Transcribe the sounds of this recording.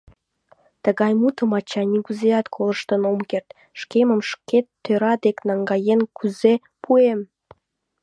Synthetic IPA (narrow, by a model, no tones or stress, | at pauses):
t̪əɣɑjmut̪əmɑt͡ɕɑniɡuzejɑt̪kʰoləʃt̪ənomkert̪ | ʃkeməmʃket̪ʰːøɾɑd̪eknɑŋɡɑjenkʰyze | pʰuem